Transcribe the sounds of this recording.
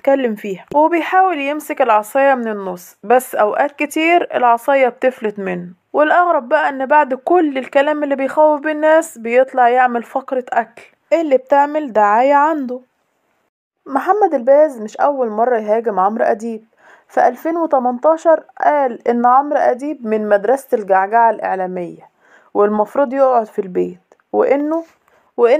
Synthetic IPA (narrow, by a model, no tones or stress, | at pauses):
t̪kælːemfiːhæwebejħaːweljemsekelʕɑsˤɑjɑmenenːosˤːbæsːʔæwʔæːt̪̚ket̪iːɾḛlʕɑsˤɑjːɑb̚t̪eflet̪menː | welʔɑɣɾˤɑbːæʔæʔenːbaʕd̪kolːelkælæːmelːibejxæwːefbinːæːsbejet̪ˤlɑʕjeʕmælfɑkɾɑʔækl | ʔelːib̚t̪eʕmeld̪aʕaːjæʕand̪o | moħamːæd̪ælbæːzmɪʃʔæwːælmɑrˤːɑjɦæːɡemʕomɾʔæ̰d̪iːb̚ | fæʔælfeːnwet̪æmɑnt̪ˤɑːʃɑɾˤʔæːlʔenːʕomɾʔæd̪iːbmɪnmæd̪ɾˤɑslɡaʕɡaʕalʔḛʕlæːmejːæ | welmɑfɾˤuːd̪ˤjoʔʕod̪filbeːt̪ | wḛʔenːo | weʔe